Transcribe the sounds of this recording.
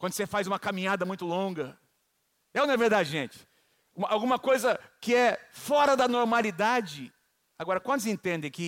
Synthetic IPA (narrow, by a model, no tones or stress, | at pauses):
kwɐ̃nd̪ʊsefajzũmɐkamĩɲad̪ɐmũj̃t̪ʊlõɡɐ | ɛwnɐveɾd̪ad͡ʒɪʒẽt͡ʃɪ̥ | ũmawɡũmɐkojzɐkɪɛfɔɾɐd̪ɐnoɾmalid̪ad͡ʒɪ | aɡɔɾɐkwɐ̃nd̪ʊzẽnt̪ẽnd̪ẽj̃kɪ